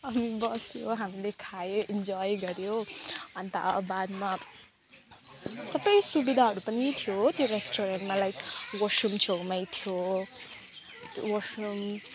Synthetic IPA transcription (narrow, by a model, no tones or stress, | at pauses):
ʌmibʌsjoɦamilekʰajoind͡zɔjɡʌɾjoʌnt̪a̰ːbad̪ma | sʌbʌjsubid̪ʱaɦʌɾupʌnit̪ʰijot̪joɾesʈoɾenʈmalajkwʌsumt͡sowmajt̪ʰijo | jwʌsum